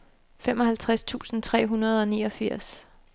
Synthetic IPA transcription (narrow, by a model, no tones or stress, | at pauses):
femɒ̽hælt͡sʰʁast͡sʰṵːsn̩t͡sʰʁɛ̰ːɦunɐð̞ˠɒ̽niːɒ̽fiɐ̰s